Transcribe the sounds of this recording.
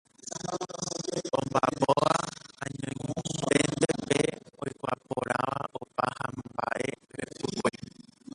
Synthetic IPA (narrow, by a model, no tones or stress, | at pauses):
õmbapoʋaãɲõj̃t̪end̪epeojkʷapoɾaʋaʔopahãmbaʔe | ʋepɨkʷe